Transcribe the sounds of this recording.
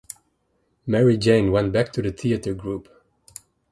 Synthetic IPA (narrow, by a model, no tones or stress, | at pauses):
mɛɹid͡ʒẽɪ̃nwɛ̃nb̥æk̚tʰɨðɨθiɨɾə˞ɡɹup